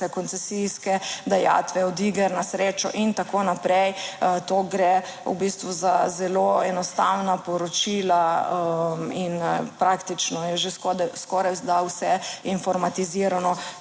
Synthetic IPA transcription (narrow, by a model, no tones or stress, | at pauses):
ɛkɔnt̪sɛsiskɛd̪aja̰ːt̪ʋɛɔd̪iɡɛɾnasɾeːt͡ʃɔ̰ʔint̪akonapɾɛjt̪oːɡɾe | ṵbist̪ʋuzazɛloɛnɔst̪awnapɔɾɔt͡ʃila | minpɾakt̪it͡ʃnɔjɛʒeskɔdskɔɾajwzd̪awsɛinfɔɾmat̪iziːɾanɔ